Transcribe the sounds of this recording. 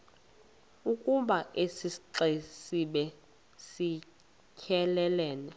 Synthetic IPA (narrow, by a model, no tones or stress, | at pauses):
ukʼuɓaʔesisiǁesiɓɛ | si | kʰɛlɛlɛːnɛ